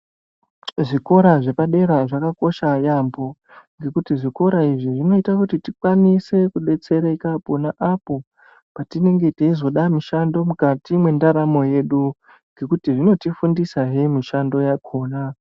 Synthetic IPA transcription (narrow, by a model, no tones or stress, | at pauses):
ʐiko̞ɾaʐe̞paɗe̞ɾaʐakako̞ʃajambo̞ | ŋɡe̞kutiʐiko̞ɾaiʐiʐino̞itakutitikwanise̞kuɗe̞t͡se̞ɾaikapo̞naʔapo̞ | patine̞ŋɡe̞teizo̞ɗamiʃando̞mukatimwe̞ndaɾamo̞je̞ɗu | ŋɡe̞kutiʐino̞tifundisaɦe̞miʃando̞jakʰoːna